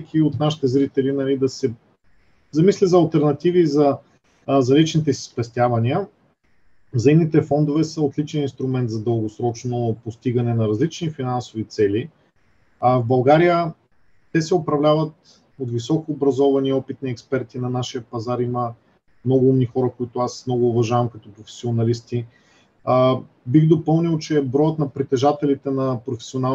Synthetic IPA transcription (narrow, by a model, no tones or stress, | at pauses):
kʰʲiot̪naʃi̥t̪ɛzɾit̪ɛlinɐlid̪ɐsɛ | zɐmislʲizɐːlˠt̪ɛɾnɐt̪ivizɐ | zɐlit͡ʃnit̪ɛsi̥spɛst̪ʲjavɐniə | zɐimnit̪ɛfɔnd̪ovɛsəot̪lit͡ʃɛninst̪ɾʊmɛnt̪zɐd̪əlˠɡosɾɔt͡ʃnopost̪iɡənɛnɐɾɐzlit͡ʃnifinansʊvit̪sɛli | avbɐlˠɡaɾijə | t̪ɛsɛopɾɐvlʲavət̪̚ | ot̪visɔkːbɾɐzɔvɐniɔpit̪nɐɛkspɛɾt̪inɐnaʃiəpɐzaɾimə | mnɔɡʊumnixɔɾəkoit̪ʊasmnɔɡʊːvɐʒavɐmkɐt̪ʊpɾofɛ̥sionɐlist̪i | ə | biɣd̪opɤlˠnilˠt͡ʃɛbɾɔjət̪nɐpɾit̪ɛʒat̪ɛlit̪ɛnɐpɾofɛ̥siona